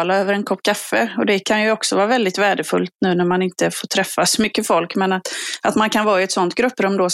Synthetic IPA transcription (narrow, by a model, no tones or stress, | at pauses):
laøːvəɾɛnkʰɔpːkʰafːəɔd̪ɛkʰanjɵɔksɔvɑːɾvɛld̪ɪt̪væːɖəfɵ̰lt̪nʉ̟ːnæɾmanɪnt̪əfoːʈʰɾɛfːasɔmʏkːəfɔlkmɛnat̪ʔat̪mankʰanvɑːɪɛt̪sɔnt̪ɡɾɵpːɾɔmːd̪o